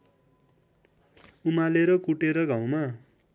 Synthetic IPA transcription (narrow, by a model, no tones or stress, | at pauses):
umaleɾʌkuʈeɾʌɡʱaw̃ma